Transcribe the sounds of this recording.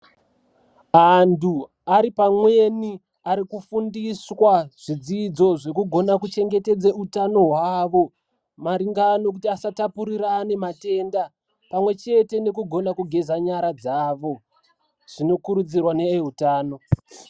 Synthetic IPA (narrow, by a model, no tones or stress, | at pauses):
andu | aɾipamwe̞ni | aɾikufundiswaʐ̥id͡zid͡zo̞ʐe̞kuɡʱo̞nakut͡ʃe̞ŋɡe̞te̞d͡zeutano̞ɦwaʋo̞ | maɾiŋɡano̞k̬utiasatapuɾirane̞mate̞nda | pamwe̞t͡ʃe̞te̞ne̞kuɡʱo̞nakuɡʱe̞zaɲaɾad͡zaːʋo̞ | ʐ̥ino̞kuɾud͡zirwaneɦutaːno̞